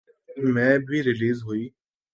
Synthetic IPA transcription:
mɛ̃ːbʱiɾɪliːzɦuiː

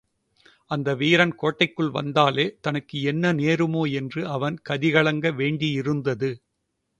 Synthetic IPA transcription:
ʔɐnd̪ɐʋiːɾɐnkoːʈːɐɪkːɯɭʋɐ̰nd̪aːleːt̪ɐnɯkːɯɛnːɐneːɾɯmoːɛndrɯɐʋɐnkɐðɪɣɐɭɐŋɡɐʋeːɳɖɪjɪɾɯnd̪ɐðɯ

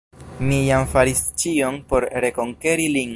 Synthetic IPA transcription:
mijamfaɾist͡ʃio̞npo̞ɾɾe̞ko̞ŋke̞ɾilin

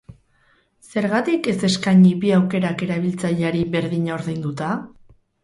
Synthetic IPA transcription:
se̞ɾɣat̪ike̞se̞skaɲiβiawke̞ɾake̞ɾaβilt͡saʎeaɾiβe̞ɾðiɲao̞ɾðejnd̪ut̪a

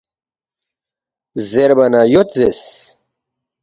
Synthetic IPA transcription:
zeɾbɐnajot̪zes

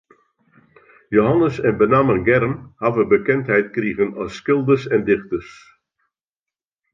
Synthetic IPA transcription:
joɦɑnəsɛnbənaːmənɡɛɾəmhavəbəkɛnthɛjtkriɣənɔsːkɪlˠdəsɛndɪχtərs

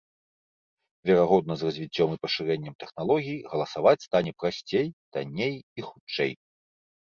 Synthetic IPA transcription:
vʲɛɾaɣɔd̪̚nɐzrɐzʲvʲit͡sʲːɔmipɐʂɨɾɛnʲːɐmt̪ɛxnalˠɔɣʲijiɣɐlˠɐsavat͡sʲst̪anʲɛpɾasʲt͡sʲejd̪̥a̰nʲːejixut͡ʂɛ̰j

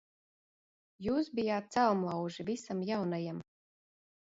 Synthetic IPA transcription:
juːsbijaːt̪̚t̪salˠmlˠawʒivisamjawnajam

